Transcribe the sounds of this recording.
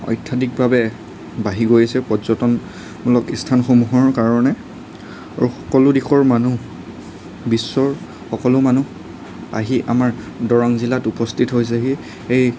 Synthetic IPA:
ɔ̰jtʰːadik̚babɛ | baɦiɡojasɛpɔzɔtɔn | mulɔkistʰanxomuɦɔɹkaɹɔnɛ | a̰ɹuxɔ̥kɔlʊdixʰɔɹmanu | bisːɔɹ | xɔkɔlʊmanu | a̰ɦiʔa̰maɹ | dɔɹɔŋzilatupɔstʰitɦojs̬ɛɦi | ej

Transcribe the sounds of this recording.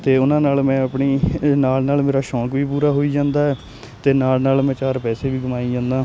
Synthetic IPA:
t̪eːʊnãːnaːlmɛ̃ːəpɳiːnaːlnaːlmeːɾaːʃɔ̃ːkʋiːpuːɾaːɦoːiːd͡ʒãːnd̪aːɛː | t̪eːnaːlnaːlmɛ̃ːt͡ʃaːɾpɛːseːʋiːɡəmaːiːd͡ʒãːnd̪aː

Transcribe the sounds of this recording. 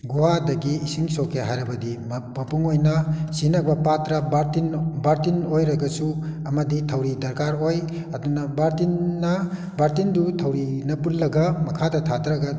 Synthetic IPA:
ɡuwadɐɡiːsiŋsokʰːeɦajɾɐbɐdimɐpuŋojnɐsinɐbɐpatɾɐbatinbaɾtinojɾɐɡɐsuɐmɐditʰɐwɾidɐɾkaɾoj | ɐdunɐbaɾtinːɐ | baɾtindutʰɐwɾinɐpunlɐɡɐmɐkʰadɐtʰadɾaɡa

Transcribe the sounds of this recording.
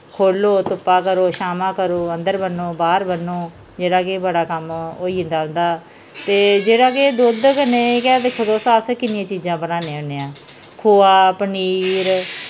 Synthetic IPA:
kʰoːloːt̪ʊpːaːkəɾoːʃaːmãːkəɾoːənd̪əɾbənːoːbaːɾbənoː | d͡ʒeːɽaːkebəɽaːkəmoːiːɪ̃nd̪aːʊ̃nd̪aː | t̪eːd͡ʒeːɽaːked̪oːd̪kəneːkɛːd̪eːkʰʊd̪oːsãːskɪnɪjãːt͡ʃiːd͡ʒãːbənaːnẽːʊneːãː | kʰoːaːpəniːɾ

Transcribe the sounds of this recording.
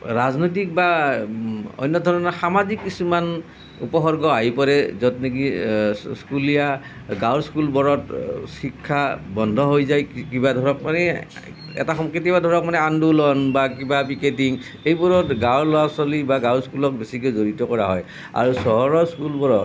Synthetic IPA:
ɹaznojt̬ik̚ba | ɔ̰jnːɔdʱɔɹɔnɔxamazikːisuman | ṵpɔɦɔɹɡɔaɦipɔɹɛzɔtnekiskulija | ɡawɹskulbɔɹɔtsikʰːabɔndʱɔɦojzajkibadʱɔɹɔkmanɛ | ɛ̰taxɔŋkɹitibadʱɔɹɔk̚manɛandulɔnbakibapiketiŋ | ejbɔɹɔtɡawɹlɔasɔlibaɡawɹskulɔk̚besikiozoɹitɔkɔɹaɦɔj | a̰ɹusɔɦɔɹɔskulbɔɹɔt

